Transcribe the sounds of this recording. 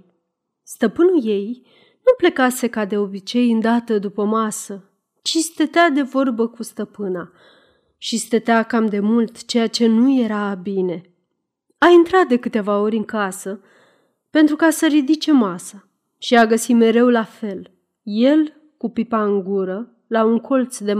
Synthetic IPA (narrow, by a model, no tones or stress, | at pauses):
st̪əpɨnuje̞j | nuple̞kase̞kad̪e̞o̞bit͡ʃe̞jɨnd̪at̪əd̪upəmasə | t͡ʃist̪et̪ead̪e̞vo̞rbəkust̪əpɨna | ʃist̪ət̪eakamd̪e̞mult̪t͡ʃe̞jat͡ʃe̞nuje̞ɾabine̞ | aint̪ɾat̪̚d̪e̞kɨt̪e̞vao̞ɾʲɨŋkasə | pe̞nt̪ɾukasəɾid̪it͡ʃe̞masa | ʃiaɡəsime̞ɾe̞wlafe̞l | je̞l | kupipaɨŋɡuɾə | lauŋkʰo̞lt̪sd̪e̞